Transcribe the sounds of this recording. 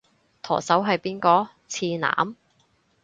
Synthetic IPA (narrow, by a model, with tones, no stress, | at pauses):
t̪ʰɔ̰ː˨˩sɐ˨˥wɦɐ˨˧jpiː˥nkɔː˧ | t͡sʰiː˧na̰ː˨˥m